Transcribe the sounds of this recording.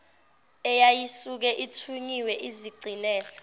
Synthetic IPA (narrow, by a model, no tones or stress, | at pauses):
ɛjajisuk̬ɛʔitʰuɲiwɛʔiziɡ͡ǀʱilɛːɬɔ̥